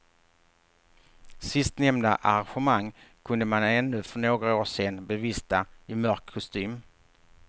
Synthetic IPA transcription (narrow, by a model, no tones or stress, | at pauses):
sɪst̪nɛmd̪aʔa̰ɾanɧɛmaŋkʰɵnd̪əmanɛnːɵfœɳoːɡɾaoːʂeːnbɛviːst̪aɪmœɾkʰːɔst̪yːm